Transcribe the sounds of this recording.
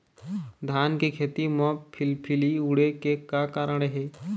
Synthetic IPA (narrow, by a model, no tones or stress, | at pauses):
d̪ʱaːnkekʰeːt̪imɔpʰɪlpʰɪliʊɽekekakaːɾəɽ̃ɦeː